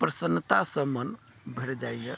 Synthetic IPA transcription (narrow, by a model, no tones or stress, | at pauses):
pɾəsənːət̪asəmən | bʱeɽd͡ʒajje